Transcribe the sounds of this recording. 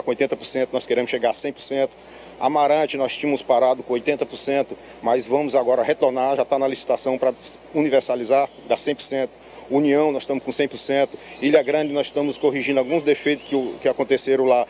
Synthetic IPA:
kõojt̪ẽnt̪ɐpoɾsẽt̪ʊnɔskeɾẽmʊsʃeɡaɾasẽj̃poɾsẽnt̪ʊ̥ | a̰maɾɐ̃t͡ʃɪnɔst͡ʃĩɐmʊspaɾad̪ʊkõojt̪ẽnt̪ɐpoɾsẽnt̪ʊ | mazvɐ̃mʊzaɡɔɾɐɦet̪oɾnaɾʒat̪anɐlisi̥t̪asɐ̃w̃pɾɐuniveɾsalizaɾ | d̪asẽj̃poɾsẽnt̪ʊ̥ | uniɐ̃w̃nɔz̥ʃt̪ɐ̃mʊskõsẽj̃poɾsẽnt̪ʊ̥ilɐɡɾɐ̃d͡ʒɪnɔzɪʃt̪ɐ̃mʊskoɦiʒĩd̪ʊawɡũzd̪efejt̪ʊkɪkɪakõnt̪eseɾɐ̃w̃la

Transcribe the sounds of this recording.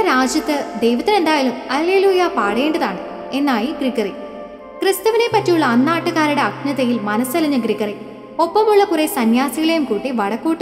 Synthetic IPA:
ɐɾaːd͡ʑjɐt̪ːɨd̪ejʋɐt̪ːɐne̞nd̪aːjalumɐlːe̞ːluːjapaːɽe̞ːɳɖɐðaːɳɨ | e̞nːaːjiɡriɡɐri | krɨst̪ɐʋine̞pːɐtːijuɭːɐːnːaːʈːuɣaːɾuɽe̞ɐkɲɐðɐjilmɐnɐsɐliɲːɐɡɾiɣɐri | o̞pːɐmuɭːɐkuresɐnjaːsiɣɐɭejumkuːʈːiʋɐɽɐkːuːʈːɨ

